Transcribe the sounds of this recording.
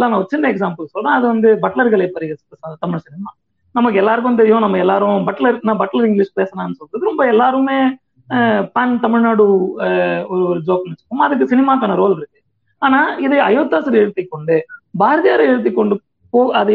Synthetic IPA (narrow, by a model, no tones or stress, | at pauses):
lːaːnãːɔɾɯt͡ʃɪnːɐɛksaːmpɐlsɔlːɐãːɐðɯʋɐnd̪ɯbɐʈlɐɾɣɐɭɐpːɐɾɪɣɐsɐst̪ɐmɪɻsɪnɪmaː | nɐmːɐkːɯɛlːaːɾɯk̬ːʊ̃ʋɐnd̪ɛɾɪjʊ̃nɐmːɐɛlːaːɾʊ̃bɐʈlɐɾnãːbɐʈːɐlɐɾɪŋɡlɪʂpeːsɐnãːnːɯsɔlkɾɐðɯɾɔmbɐɛlːaːɾɯmeː | paːnt̪ɐmɪɻnaːɽɯ | ɔɾɯɔɾɯd͡ʒoːk̚mɐnt͡ʃːɯ̥kːɐmaɐðɯk̬ːɯsɪnɪmaːkaːnɐɾoːlɪɾɯkːɯ̥ | aːnaːɪðɐɐjoːt̪ːaːsɐɾɛɽɯt̪ːɪkːɔɳɖɯbaːɾɐðɪjaːɾɐɛɻɯt̪̬ːɪkːɔɳɖɯ | poːɐðɯ